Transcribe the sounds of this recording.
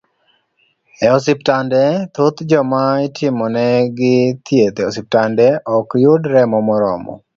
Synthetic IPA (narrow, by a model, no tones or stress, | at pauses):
ɛɔsiptandɛt̪ot̪d͡ʒɔmaɪtʰɪmɔnɛɡɪt̪jet̪ɛɔsip̚tandɛʔɔkjʊdɾɛmɔmɔɾɔ̰mɔ̰